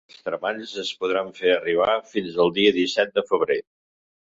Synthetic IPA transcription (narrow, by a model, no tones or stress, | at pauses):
əlˠst̪ɾəmaʎzəspuðɾaɱfeəriβ̞afinzəlˠd̪iəðisɛt̪̚d̪əfəβ̞ɾe